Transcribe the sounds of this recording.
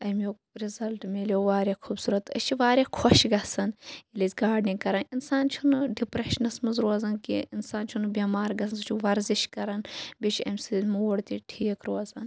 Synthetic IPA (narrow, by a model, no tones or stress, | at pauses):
ɐmo | ɾizɐlʈmeːlʲoʋaːɾʲɐkʰuːbsuːɾɐt̪ːɐ̰t͡ʃʰiʋaːɾʲekʰɔʃɡɐsɐnilizʲɡaːɾɖniɡkɐɾɐninsaːnt͡ʃʰunɖipɾeʃnɐsmɐzɾoːzɐnkḭinsaːnt͡ʃʰunubʲiːmaːɾɡɐsɐnzt͡ʃʰuʋɐɾziʃkɐɾɐnbʲet͡ʃʰɐ̰mʲsizʲmuwɽt̪iʈʰiːkɾoːɐzɐn